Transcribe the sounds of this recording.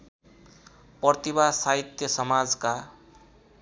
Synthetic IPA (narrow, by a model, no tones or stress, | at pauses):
pʌrt̪ibasaɦit̪jʌsʌmad͡zka